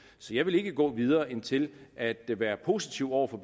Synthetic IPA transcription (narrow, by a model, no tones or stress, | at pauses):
sɒ̽jɑ̈ɪʋe̝le̝ɡ̥əɡ̥ɔ̰̽ːʋið̞ˠɐːe̝nt͡sʰe̝lʔæd̥ʋæːɐpʰo̝sit͡sʰiʊ̰ɒʊ̰ɐfɒ̽b̥